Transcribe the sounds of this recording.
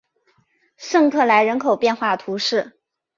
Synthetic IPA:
ʂɤ˥˧ŋkʰɤ˥˩la˧˥ɪɻə˧˥nkʰo˨˩ʊpjɛ˥˧nxwa˥˩t̪ʰu˧˥ʂɻ̩˥˩

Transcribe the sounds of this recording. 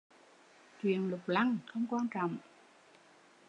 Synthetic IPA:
t͡ɕwḭ˨ənlʊ˨˩k͡p̚la˧ŋxə˧wŋ͡mkwaː˧nt͡ɕɔ̰˨˧˨wŋ͡m

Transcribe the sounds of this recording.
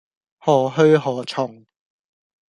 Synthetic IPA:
hɔː˨˩ɦɵ˥ɦɔː˨˩t͡sʰʊ˨˩ŋ

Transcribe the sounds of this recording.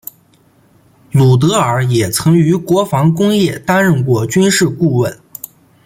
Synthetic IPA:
lu˨˩t̪̬ɤ˧˥ə˞˨˧˥jɛ˨˩t͡sʰɤ˧˥ŋy˧˥kwɔ˧˥fɑ˧˥ŋkʊ˥ŋjɛ˥˩t̪a˥nɻə˥˧nkwɔ˥˩t͡ɕy˥nʂɻ̩˥˧ku˥˧wə˥˩n

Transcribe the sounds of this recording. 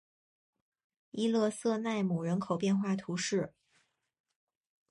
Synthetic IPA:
i˥˧lɤ˥˧sɤ˥˧na˥˩ɪmu˨˩ɻə˧˥nkʰo˨˩ʊpjɛ˥˧nxwa˥˩t̪ʰu˧˥ʂɻ̩˥˩

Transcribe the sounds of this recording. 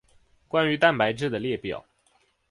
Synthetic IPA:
kwa˥ny˧˥t̪a˥˩npa˧˥ɪʈ͡ʂɻ̩˥˩d̪ə˩ljɛ˥˩pjɑ̰˨˩˦ʊ

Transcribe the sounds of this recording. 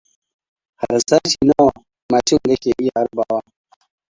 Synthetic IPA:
ha˨ɾsa˦t͡ʃi˨na˦w | maː˨t͡ʃi˦ŋɡɐ˦kʲe˨ʔi˦ja˨a˦ɾba˦wa˦

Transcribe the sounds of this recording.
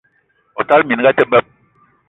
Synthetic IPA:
o˨ta˦lmi˨n˦ɡa˦te˦bɛ˦p̚

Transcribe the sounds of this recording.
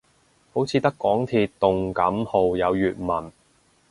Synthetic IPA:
ho˨˥wt͡sʰiː˨˧t̪ɐ˥kːɔː˨˥ŋt̪ʰiː˧t̚t̪ːʊ˨ŋkɐ˨˥mho˨wjɐ˨˧wjyː˨t̚mɐ˨˩n

